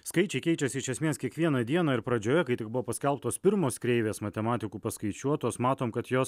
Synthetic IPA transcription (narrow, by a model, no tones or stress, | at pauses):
skɐɪt͡ʃʲɛɪkʲɛɪt͡ʃʲɛsʲɪɪʃʲɛsʲmʲeːskʲiɛkʋʲiɛnɐd̪ʲiɛnɑːɪɾpɾɐd͡ʒʲoːjɛkɐɪt̪ʲɪk̚bʊʋoːpɐsʲkʲɛlˠp̚t̪oːspʲɪɾmoːskɾʲɛɪʋʲeːsmɐt̪ʲɛmɑːt̪ʲɪkuːpɐskɐɪt͡ʃʲuɔt̪oːsmɑːt̪oːmkɐt̪joːs